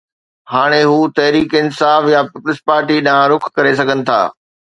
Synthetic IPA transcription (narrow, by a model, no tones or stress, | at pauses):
haːɽ̃eɦuːt̪ɐɦɾiːkɪnsaːfjapɪpʊlɪspaːɾʈiɗãɾʊkʰkːɐɾes̬ɐɡʱənɪ̆t̪ʰa̰ː